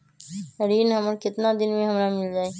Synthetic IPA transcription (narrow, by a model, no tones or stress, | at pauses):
ɾiːnɦɐmɾkɪt̪nad̪ɪnmẽɦɐmɾamɪld͡ʒaːeː